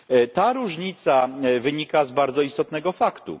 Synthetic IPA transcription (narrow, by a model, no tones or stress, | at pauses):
t̪aɾuʐɲit̪savɘɲikazbaɾd̪zɔist̪ɔt̪nɛɡɔfakt̪ṵ